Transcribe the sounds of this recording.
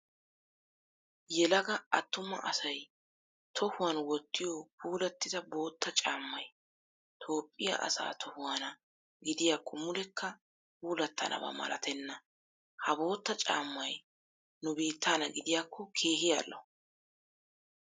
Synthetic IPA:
jɛlɐɡɐɐt̪ːʊmɐ̰ʔɐsɐj | t̪ʰɔhʊwaːnwɔt̪ːɪjopʰuːlɐt̪ːɪzɐbo̞ːt̪ːɐt͡ʃʼaːmːɐj | t̪ʰo̞ːpʼːɪja̰ʔɐ̰sa̰ːt̪ʰɔhʊwaːnɐ | ɡɪd̪ɪjaːkʰːɔmʊlɛkːɐ | puːlɐt̪ːɐnʔɐ̰bɐ̰mɐ̰lʔɐ̰t̪ʰɛnːɐ | hɐbo̞ːt̪ːɐt͡ʃʼa̰ːmːɐj | nʊbiːt̪ʰːaːnɐɡɪd̪ɪjaːkʰːɔkʰe̞ːɦɪja̰lːɔ

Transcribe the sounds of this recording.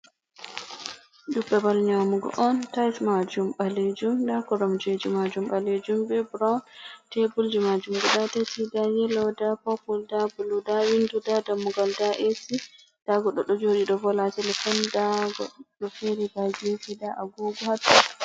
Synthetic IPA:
dubɗabalɲamuɡɔ̰ʔɔntajsmad͡ʒumɓaled͡ʒumdakɔɾɔmd͡ʒod͡ʒimad͡ʒumbaled͡ʒumbɛbɾawntɛbuld͡ʒimad͡ʒumɡɔɗatɛtidajɛlɔdapɔpɔldabuludawindudadamuɡaldaʔesi | d̥aɡɔɗɔɗɔd͡ʒoɗiɗɔbɔlatɛlɛfɔndaɡɔ̰ɔfeɾibad͡ʒisidaʔaɡuɡɔhatːu

